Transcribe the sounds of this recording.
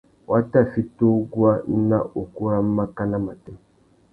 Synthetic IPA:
wa˦ta˦˨fi˦to˦ɡu˦a˦n̩˦na˦ʔo˨ku˦ɾa˦m̩˦ma˦ka˦na˦ma˨te˦

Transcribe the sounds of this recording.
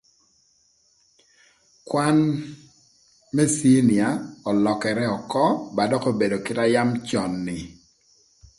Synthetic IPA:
kwa˦n | mɛ˦si˦nɪ˨a˨ɔ˨lɔ˨kɛ˨ɾɛ˦ɔ˨kɔ˦ba˨dɔ˦ko˦be˨do˨kɪ˦ta˦ja˦mt͡ʃɔ˨nːɪ˨

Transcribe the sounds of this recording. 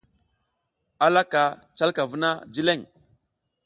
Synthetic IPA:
a˦la˦ka˨t͡ʃa˦lka˨və˦na˦d͡ʒi˦le˦˨ŋ

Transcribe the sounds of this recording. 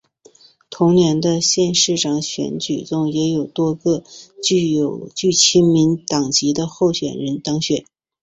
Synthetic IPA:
t̪ʰʊ˧˥ŋnjɛ˧˥nd̪ə˧ɕjɛ˥˧nʂɻ̩˥˩ʈ͡ʂɑ˨˩ŋɕɥɛ̰˧˥nt͡ɕy˨˩t͡s̪ʊ˥˩ŋjɛ˧˥jo˨˩ʊt̪wɔ˥ɡɤ˥˧t͡ɕy˥˩o˨˩ʊt͡ɕy˥˩t͡ɕʰi˥nmi˧˥nt̪ɑ˨˩ŋt͡ɕi˧˥d̪ə˧xo˥˩ʊɕɥɛ˨˩nɻə˧˥nt̪ɑ˥ŋɕɥɛ˨˩˦n

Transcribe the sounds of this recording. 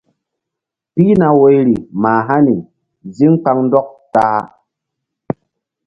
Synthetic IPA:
pi˦na˨we˦jɾi˨maː˨ɦa˦ni˨ | zi˦ŋk͡pa˧˦ŋn˦dɔ˦k̚taː˦

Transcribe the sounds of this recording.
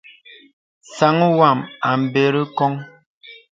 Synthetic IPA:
sa˨˦ŋ˦wa˨ma˨m̩˨be˨ɾi˦kɔ˦ŋ

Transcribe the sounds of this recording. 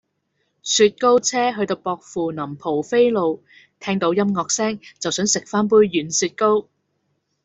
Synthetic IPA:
syː˧t̚ko˥wt͡sʰɛː˥ɦɵ˧ɥt̪o˧wpɔː˧k̚fuː˨nɐ˨˩mpʰo˨˩wfe˥jlo˨˧w | t̪ʰɛː˥ŋt̪o˨˧wjɐ˥mŋɔː˧k̚sɛː˥ŋt͡sɐ˨wsœː˨˥ŋsɪ˨k̚faː˥np̬uː˥jːyː˨˥nsyː˧t̚ko˥w

